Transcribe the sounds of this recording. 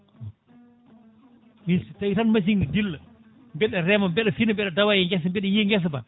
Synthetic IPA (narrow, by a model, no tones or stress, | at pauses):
mistajitanmas̬iŋdilːə | mbɛɗɛɾɛmambɛɗɛfinəmbɛɗɛdawajɛŋɡɛs̬mbɛɗɛjiŋɡɛs̬ba̰